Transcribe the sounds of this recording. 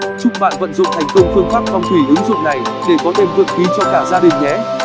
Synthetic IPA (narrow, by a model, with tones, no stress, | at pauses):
t͡ɕʊ˦˥k͡p̚ɓa̰ː˧˨nvə̰˧˨nzʊ̰˧˨ŋ͡mt̪ʰa˨˩jŋ̟kə˧wŋ͡mfɨ˧əŋfaː˦˥p̚fɔ˧wŋ͡mt̪ʰwi˧˩ʔɨ˨˦ŋzʊ̰˧˨ŋ͡mna˨˩jɗe˧˩kɔ˨˦t̪ʰe˧mvɨ̰˧˨ənxi˨˦t͡ɕɔ˧kaː˧˩zaː˧ɗï˨˩ŋ̟ːɛ̰˨˩˦